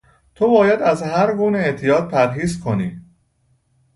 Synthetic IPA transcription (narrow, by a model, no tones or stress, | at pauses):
t̪ʰobɒːjæd̪æzɦæɾɡuːneeʔt̪ʰijɒːd̪̚pʰæɾɦiːzkʰo̞niː